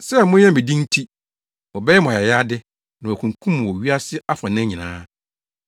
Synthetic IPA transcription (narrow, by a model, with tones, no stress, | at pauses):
sɛ˦mʊ̃˦ɛ̃˦˨mɪ̃˨dĩ˦n̩˦tʰi˦ | wɔ˨bɛ˦jɛ˦mʊ̃˨a˨ɛ˨ja˦dɪ˦ | nã˨wɔ˨kʰũ˨ŋ˨kʰũ˦m̃˨wɔ˨ɥi˦a˦sɪ˦a˦fã˨nɪ̃˦ɲĩ˨nã̰ː˦